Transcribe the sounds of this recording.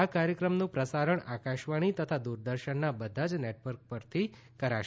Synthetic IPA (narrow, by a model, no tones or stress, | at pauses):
akaɾjəkɾəmnũpɾəsaɾəɳakaʃʋaɽ̃it̪ət̪ʰad̪uɾd̪əɾʃəɳːabəd̪ʱad͡ʒneʈʋəɾk̚pəɾt̪ʰi | kəɾaʃ